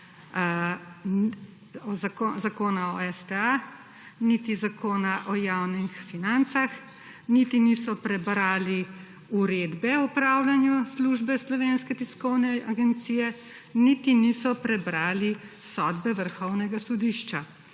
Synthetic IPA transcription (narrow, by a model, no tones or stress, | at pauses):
ɔzaozakoːnaɔɛst̪ɛa | nit̪izakoːnaʔɔjawnixfinant̪sax | nit̪inisɔpɾɛbɾaːli | uɾed̪bɛupɾawlanjusluʒbɛslɔʋenskɛt̪iskɔwnɛaɡɛnt̪siːjɛ | nit̪inisɔpɾɛbɾaːlisɔd̪bɛʋəɾxɔwnɛɡasɔd̪iʃt͡ʃa